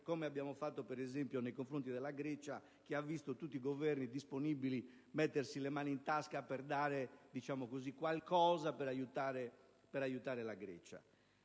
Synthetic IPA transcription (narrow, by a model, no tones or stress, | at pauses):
komeabːjaːmofat̪ːopɛɾɛzempjonejkoɱfɾont̪id̪ɛlːaɡɾɛt͡ʃa | k̟iavːist̪ot̪ut̪ːiɡovɛrnid̪isponibili | mɛt̪ːersilemaːniint̪askapɛrd̪aːɾed̪it͡ʃaːmokozikwalkɔːzapɛɾajut̪aːɾe | pɛɾajut̪aːɾelaɡɾɛ̰t͡ʃa̰